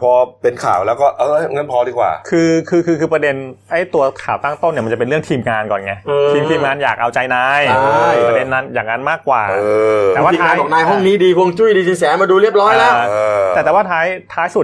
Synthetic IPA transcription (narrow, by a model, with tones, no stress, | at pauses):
pʰɔː˧pe˧nkʰa̰ː˨˩˦wlɛː˦˥wkɔː˥˩ʔɤː˧˥˩ŋa˦˥˩npʰɔː˧diː˧˩kwa̰ː˨˩kʰɯː˧kʰɯː˧kʰɯː˧kʰɯː˧pɾa˧de˧nʔa˦˥˩jt̪u˧ɐkʰaː˨˩˦wt̪aː˥˩ŋt̪o˥˩nːi˥˩m˧t͡ɕa˨˩pe˧ɾɯ˥˩əŋt̪ʰiː˧mŋaː˧nkɔ̰ː˨˩nŋa˧˥ʔːt̪ʰiː˧mt̪ʰiː˧mŋaː˧njaː˨˩k̚ʔa˧wt͡ɕa˧jnaː˧˥ja˥˩ɾde˧nːa˦˥njaː˨˩ŋa˦˥nmaː˥˩kːwa̰ː˨˩ɤː˧tɛː˨˩˧waː˥˧˩a˦˧kkɔː˨˦naː˧jɦɔ˥˩ŋniː˦˥diː˧kʰu˧ə˧ŋt͡ɕu˥˩jdiː˧t͡ɕʰi˧ŋsɛː˨˦maː˧duː˧ɾi˥˩əp̚ɾɔː˦˥jlɛ˦˥˧ɛ˨˩ɛː˨˩waː˥˩t̪ʰaː˦˥jt̪ʰaː˦˥jsu˨˩